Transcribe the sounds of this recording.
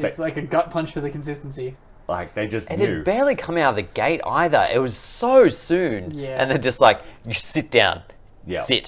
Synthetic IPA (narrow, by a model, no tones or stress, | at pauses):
ɨtslaɪkɨɡʌt̚pʰʌ̃nt͡ʃfə˞ðɨkn̩sɪstn̩si | la̰ɪk̚ðeɪd͡ʒʌsɨ̃nɨʉbɛɹlˠikʰʌ̃maʊɾəvðɨɡeɪɾa̰ɪðə̰˞ʔɪ̰t̚wʌz̥soʊsʉ̃njæʔɨ̰̃nðɨd͡ʒʌst̚ˡlaɪkjɨsɪt̚d̥ãʊ̃n | jæsɪt